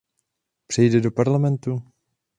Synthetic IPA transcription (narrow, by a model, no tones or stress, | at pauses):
pr̝̥ɛjdɛdopaɾlamɛnt̪u